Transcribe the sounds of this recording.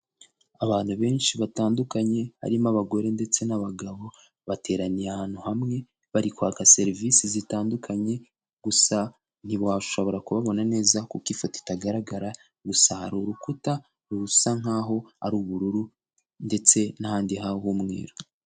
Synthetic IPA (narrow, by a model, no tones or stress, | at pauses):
aβaːn̥huβe̞ːnʃiβataːndukaɲe̞βa̰ɾimaβaɡo̞ɾe̞nde̞t͡se̞naβaɡaβo̞ | βate̞ɾanijahaːnhuhamŋe̞ | βaɾikwakase̞ɾvisizitaːndukʰaɲe̞ | ɡ̥usa | n̥iβwaʃo̞βo̞ɾakuβaβo̞nane̞ːzakukifoti̥taɡaɾaɡaɾa | ɡusahaɾuɾukuta | ɾuusaŋ̥aːɦo̞a̰ɾuːβuɾuɾu | nde̞t͡se̞nahaːndiɦahuːmŋe̞̰ːɾo